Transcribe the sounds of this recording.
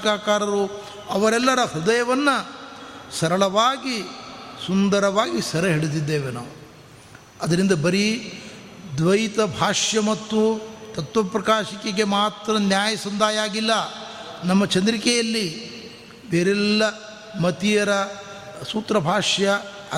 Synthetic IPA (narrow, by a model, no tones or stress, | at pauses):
kaːkaːɾɐɾu | ɐʋɐɾɛlːɐɾɐhud̪ɐjɐʋɐnːɐ | sɐɾɐɭɐʋaːɡisund̪ɐɾɐʋaːɡisɐɾɐɦiɽed̪id̪ːe̞ːʋena̰ːʋu | ɐd̪ɐɾind̪ɐbɐɾi | d̪ʋɐjt̪ɐbʱaːʂjɐmɐt̪ːut̪ɐt̪ʋɐpɾɐkaːʂikeɡemaːt̪ɾɐnjaːjɐsɐnd̪aːjaːɡilːɐ | nɐmːɐt͡ʃɐnd̪ɾikɛjɐlːi | beːɾɛlːɐ | mɐt̪ijɐɾɐ | suːt̪ɾɐbʱaːʂjɐ